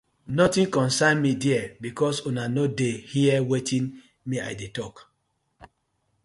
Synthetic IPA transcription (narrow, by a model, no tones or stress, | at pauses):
nɔtĩnkɔ̃nsanmidiɛbikɔsunanodehiɛwetʰĩn | mia̰jdetɔk